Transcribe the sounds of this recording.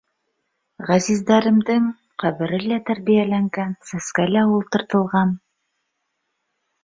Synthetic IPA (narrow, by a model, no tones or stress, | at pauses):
ʁæzizd̪æɾɘ̆md̪ɘŋ | qæβɘ̆ɾɘlæt̪æɾβijælæŋɡænsæskælæulˠt̪ɤ̆ɾt̪ɤ̆lˠʁɑn